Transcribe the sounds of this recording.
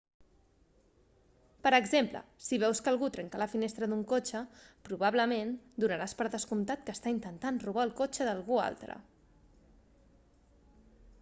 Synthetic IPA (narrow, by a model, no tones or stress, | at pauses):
pəɾəɡzemplə̰siβ̞ɛwskəlˠɣut̪ɾɛŋkaləfinest̪ɾəd̪uŋkot͡ʃəpɾuβaβləmend̪unəɾaspəɾðəskumt̪at̪̚kəst̪aint̪ənt̪anruβ̞aːlˠkot͡ʃəðəlˠɣua̰lˠt̪ɾə̰